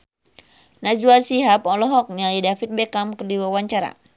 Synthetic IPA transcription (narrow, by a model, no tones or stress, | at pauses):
nad͡ʒuasiɦapɔlɔɦɔk̚nialidafit̪̚bɛkamkərdiwawaɲt͡ʃaɾa̰